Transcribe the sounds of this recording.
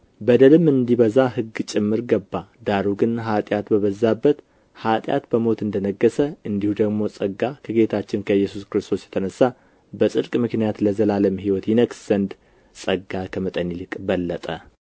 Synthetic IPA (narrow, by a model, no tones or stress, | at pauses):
bəd̪əlɨmɨnd̪iβəzaɦɨɡːt͡ʃʼɪmːɨɾɡəbːad̪aɾuɡɨnɦat̪ʼjat̪bəβəzːabːət̪ | hat̪ʼja̰t̪bəmo̞t̪ɨnd̪ənəɡːəsəɨnd̪ihud̪əɡmo̞sʼəɡːakʰəɡe̞t̪ʰat͡ʃːɪnkʰəjːɛsuskɨɾɨst̪ʰo̞sjɛ̥t̪ʰənəsːa | bəsʼɨd̪kʼmɨknijat̪ləzəlaləmɦiwɔt̪jinəksz̥ənd̪ | sʼəɡːakʰəmət̪ʼənilɨkʼbəlːət̪ʼə